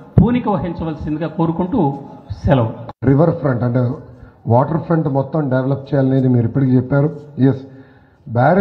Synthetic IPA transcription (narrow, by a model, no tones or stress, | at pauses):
puːnikɐʋɐɦiɲt͡ʃɐʋɐlsind̪iɡaːko̞ːɾukuɳʈuːsɛlɐwɾiʋɐɾpʰɾɐɳʈɐɳʈeʋaːʈɐɾpʰɾɐɳʈmɔt̪ːɐmɖeʋelɐp̚ːt͡ʃɛːjaːlɐneːd̪imiːɾuipːɐʈikiːt͡ʃɛpːaːɾujes | baːɾ